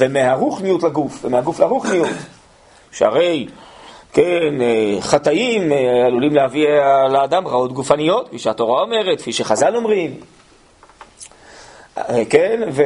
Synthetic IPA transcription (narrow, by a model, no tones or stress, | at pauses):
vemeɦaʁuχnijutlaɡufvemeaɡuflaʁuχnijut | ʃea̰ʁe̞jkeneχat̪aimealulimlehavilaːd̪amʁao̞t̪ɡufanijo̞t̪fiʃeato̞ʁao̞me̞ʁet̪̚kfiʃeχazalo̞mʁim | vekenve